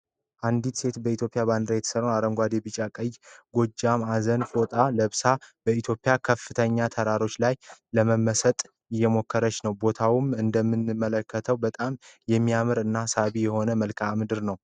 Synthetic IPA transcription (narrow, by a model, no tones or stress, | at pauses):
ʔand̪it̪se̞t̪bəit̪jo̞pʼijaβand̪ɨɾajɛt̪ə̥səɾonaɾəmɡʷad̪ebɨt͡ʃʼakʼəjːɡo̞d͡ʒamazənfot̪ʼaləβsab̥əit̪ʰjo̞pʼɪjakʰəfːɨt̪ʰəɲːat̪ʰəɾaɾo̞t͡ʃːlajləməmːəsət̪ʼ | ɪjːɛmo̞kːəɾət͡ʃːnəwbo̞t̪ʰawumɨnd̪əmːɨnːɨmːələkːət̪ʰəwbət̪ʼamjɛmːiamɨɾɨnːasaβijɛho̞nəməlkʰamɨd̪ɨɾnəw